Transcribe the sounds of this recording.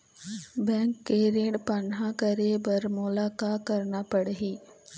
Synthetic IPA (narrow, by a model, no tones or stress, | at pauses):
bɛ̃ːŋkːeɾeːɽpaːɳɦãkəɾebɐɾmʊlaːkakɐɾnapɐɽɦiː